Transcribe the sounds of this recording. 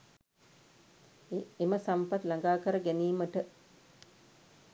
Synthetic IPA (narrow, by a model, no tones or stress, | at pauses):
eməsampat̪laŋɡaːkəɾəɡæniːməʈə